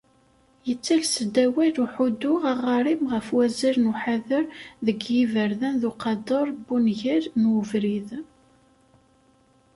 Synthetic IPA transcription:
jət͡sːælsəd̪ːæwæluħud̪ʊʁɑʁɑɾˤimʁəfwæziɾnuħaðəɾðəɡjivəɾðænðuqɑd̪əɾˤbunʝiɾnwəvɾið

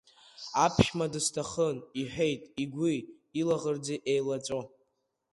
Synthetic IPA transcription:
apʰʃmadɨstʰaχəniħʷᶣe̞jtʼiɡʷi | ilaʁərd͡zeʔejlat͡sʷʼo

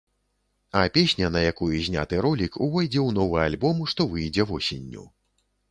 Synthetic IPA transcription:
ɐpʲesʲnʲɐnɐjakujuzʲnʲa̰t̪ɨɾɔlʲikuvɔjd͡zʲɛwnɔvɨjalʲbɔmuʂt̪ɔvɨjd͡zʲɛvɔsʲinʲːṵ

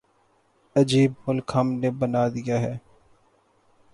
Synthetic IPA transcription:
əd͡ʒiːb̚mʊlkɦəmneːbənaːd̪ɪjaːɦɛː

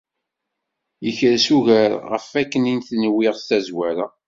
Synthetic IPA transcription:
jəçɾsuʝæɾʁə̰fækːəninθnwɪʁst̪æzwæɾa̰

